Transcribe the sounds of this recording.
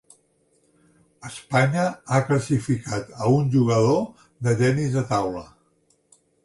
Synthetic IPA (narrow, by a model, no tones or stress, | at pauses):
əspaɲəakləsifikat̪əunʲʒuɣəðo | ðət̪ɛnizðət̪awlə̰